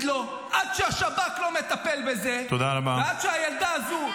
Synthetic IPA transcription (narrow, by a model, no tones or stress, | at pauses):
d̪lo̞ | ʔad̪ʃeaʃabaklo̞me̞t̪apelbe̞zet̪od̪aʁamavead̪ʃeajald̪aazu